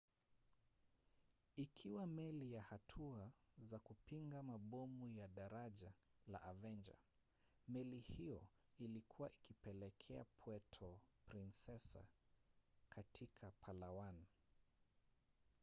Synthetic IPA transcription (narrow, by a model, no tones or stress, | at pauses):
ikʰiwamɛlijahatʰuazakupiŋɡamaɓɔmujaɗaɾaʄala̰ʔːvɛnd͡ʒa̰ | mɛlihijɔilikʰuwaʔikipɛlɛkʰɛapʰwɛtʰɔpɾinsɛsa̰ | kʰatʰikʰapʰalawan